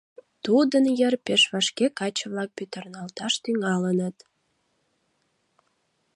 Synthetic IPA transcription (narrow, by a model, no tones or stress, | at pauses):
t̪ud̪ənjərpeʃβɑʃkekɑt͡ɕə̆βlɑk̚pyt̪ə̆rnɑlt̪ɑʃt̪yŋɑlənət̪